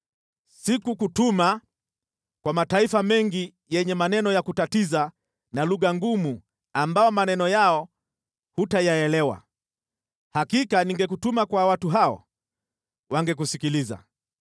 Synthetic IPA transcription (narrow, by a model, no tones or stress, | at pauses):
sikukutuma | kwamataifamɛŋɡi | jɛɲɛmanɛnɔjakutatiza | naluɣaŋɡumu | ambaɔmanɛnɔjaɔ | hutajaɛlɛwa̰ | hakikaniŋɡɛk̬utumakwawatuɦaɔ̰ | waŋɡɛk̬usikiliza̰